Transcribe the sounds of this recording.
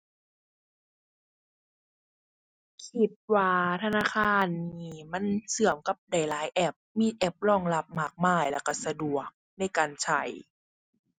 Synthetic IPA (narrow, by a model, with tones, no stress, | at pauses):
kʰi˧˦t̪̚waː˧t̪ʰa˧naː˧˥˨kʰaː˧˩˨nːiiː˧˩ma˧˥˨nsɯ˨˩˦əmka˧˦p̚da˨˩jlaː˦jʔɛ˧˥p̚miː˧ʔɛ˧˥p̚lɔː˧˩˨ŋla˧p̚maː˧˩k̚maː˧˩jlɛ˧˩ka˧˩sa˧du˨˩ək̚na˧˥˩jkaː˨nt͡ɕʰa˧˩j